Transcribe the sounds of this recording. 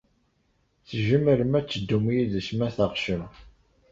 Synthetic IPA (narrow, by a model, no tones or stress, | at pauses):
t͡sʒəməɾəmæt͡sːəd̪ːumjiðəsmæθaʁʃəm